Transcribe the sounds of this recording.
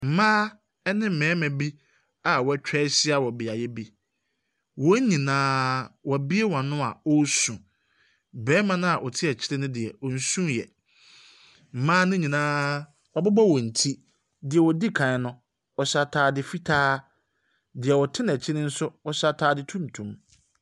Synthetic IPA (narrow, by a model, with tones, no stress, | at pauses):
m̩˨mãː˦ | ɛ˦nɪ̃˦m̩˨mɛ̃ː˨˦mɛ̃˨bi˦ | a˨wɔ˨˦˨t͡ɕᶣɛ˦ɕɪ˦a˨wɔ˨bɪ˨a˨jɛ˦bi˦ | wɔ˦ɲĩ˨nãː˦wɔ˨bi˦e˦wɔ̃˨nʊ̃˦a̰˨ɔ˦sũ˨ | bɛː˨˦mã˦nʊ̃˦a˨ʔɔ˨tʰɪ˦ɛ˨t͡ɕʰɪ˦ɾɪ˦nʊ̃˦dɪ˨ɛ˨ɔ˨n̩˦sũ˦jɛ̰˨ | m̩˨mãː˦nʊ̃˦ɲĩ˨nãː˦ | wɔ˨bɪ˦bɔ˦wɔ˨n̩˨tʰi˦ | dɪ˨ɛ˨wɔ˨di˦kʰã˨˦nʊ̃˦ | ɔ˨sa˨tʰaː˨dɪ˦fi˦tʰaː˦ | dɪ˨ɛ˨wɔ˨tʰɪ˦nɛ˨t͡ɕʰɪ˦ɾɪ̃˦n̩˦sʊ˦ɔ˨sa˦tʰaː˦dɪ˦tʰũ˦mtʰũ˨m